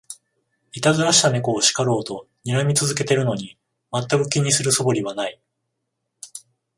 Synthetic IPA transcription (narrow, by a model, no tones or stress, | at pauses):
it̪azɨɾaɕi̥t̪ame̞ko̞ːɕi̥kaɾo̞ːt̪o̞ | ɲ̟iɾamʲit͡sɨzɨke̞t̪e̞ɾɯ̟no̞ɲ̟i | mat̪ːakɯ̟kʲiɲ̟isɨɾɯ̟so̞bo̞ɾʲiβanai